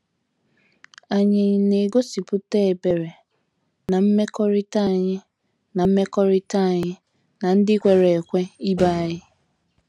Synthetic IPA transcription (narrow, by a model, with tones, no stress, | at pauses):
a˨ɲɪ˨ne˨ɡo˦si˨pʊ˦te˦e˨be˨ɾe˨ | na˨m̩˦me˦kɔ˦ɾɪ˦ta˦˨ɲɪ˦ | na˨m̩˦me˦kɔ˦ɾɪ˦ta˦˨ɲɪ˦ | na˨n̩˦dɪ˦kʷe˨ɾe˨kʷe˦i˦ba˦a˦˨jɪ˦